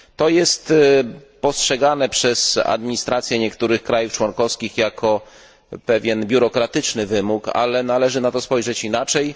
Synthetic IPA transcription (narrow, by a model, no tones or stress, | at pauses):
t̪ɔjɛst̪pɔstʂɛɡanɛpʂɛsa̰d̪mʲiɲist̪ɾat̪sʲjɛɲɛkt̪uɾɘxkɾajuft͡ʂwɔnkɔfskʲixjakʰɔ | pɛvʲjɛnbʲjuɾɔkɾat̪ɘt͡ʂnɘvɘmuka̰lɛnalɛʐɘnat̪ɔspɔjʐɛt͡ɕinat͡ʂɛj